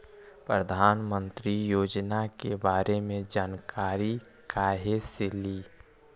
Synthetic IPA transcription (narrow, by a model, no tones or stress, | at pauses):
pɾəd̪ʱaːnmə̃nt̪ɾijoːd͡ʒnakebaːɾemẽd͡ʒaːnkʰaːɾi | kaːɦeseliː